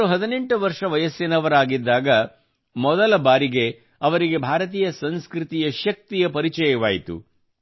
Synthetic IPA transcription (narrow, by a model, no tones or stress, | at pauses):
uɦɐd̪ine̞ɳʈuʋɐɾʂɐʋɐjɐsjɐnɐʋɐɾaːɡid̪ːaːɡɐ | mɔd̪ɐlɐbaːɾiɡe̞ | ɐʋɐɾiɡe̞bʱaːɾɐt̪̬iːjɐsɐnskɾit̪ijɐʃɐk̚t̪ijɐpɐɾit͡ʃɐjɐʋaːjit̪ṵ